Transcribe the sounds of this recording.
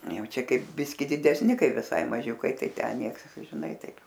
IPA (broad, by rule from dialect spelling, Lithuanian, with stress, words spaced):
ˈjɛʊ ˈt͡ʃʲɛ ˈkɐɪp ˈbʲɪsʲkʲɪ dʲɪdʲɛsʲˈnʲɪ ˈkɐɪ ʋʲɪˈsɐɪ mɐˈʒʲʊkɐɪ ˈtɐɪ ˈtʲɛn ˈnʲiɛks ʒʲɪˈnɐɪ ˈtɐɪp